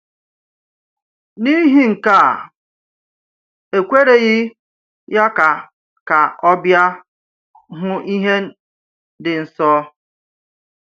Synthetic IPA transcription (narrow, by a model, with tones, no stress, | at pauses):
ni˦ɦi˦ŋ̩˨ka˦˨ | e˨kʷe˦ɾe˨ɣɪ˦ | ja˦ka˨ | ka˨ɔ˦bja˦ | ɦʊ˦ʔi˦ɦe˦ | dɪ˨n̩˨sɔː˦